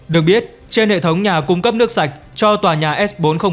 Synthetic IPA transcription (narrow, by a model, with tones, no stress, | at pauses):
ɗɨ˨˩ək̚ɓi˦˥ət̚ | t͡ɕe˧nhḛ˧˨t̪ʰə˨˦wŋ͡mɲaː˨˩kʊ˧ŋ͡mkə˦˥p̚nɨ˦˥ək̚sa˨˩jk̟̚ | t͡ɕɔ˧t̪waː˨˩ɲaː˨˩ʔɛ˦˥sɓo˨˦nxə˧wŋ͡m